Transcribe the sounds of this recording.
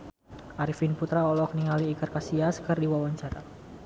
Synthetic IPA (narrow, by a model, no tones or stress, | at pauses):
ʔaɾifinput̪ɾaɔlɔk̚niŋaliːkərkasiaskɨrdiwawaɲt͡ʃaɾa̰